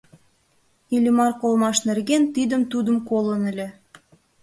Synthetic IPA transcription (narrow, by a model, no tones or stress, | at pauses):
ilʲimɑrkolmɑʃnerɣent̪id̪əmt̪ud̪əmkolənə̆lʲe